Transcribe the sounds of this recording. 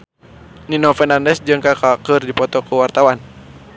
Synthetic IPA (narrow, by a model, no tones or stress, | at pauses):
ninɔfɛnandɛsd͡ʒɨŋkakakɨrdipɔt̪ɔkuwart̪awan